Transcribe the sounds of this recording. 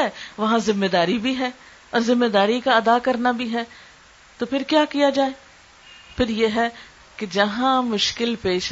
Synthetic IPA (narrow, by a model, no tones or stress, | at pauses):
ɛʋɐɦãzɪmːed̪aːɾibʱiɦɛː | ɔːɾzɪmːed̪aːɾikaɐd̪aːkɐɾnabʱiɦɛː | t̪oːpʰɪɾkjaːkijad͡ʒaːeː | pʰɪɾjeːɦɛː | ked͡ʒɐɦãmʊʃkɪlpeːʃ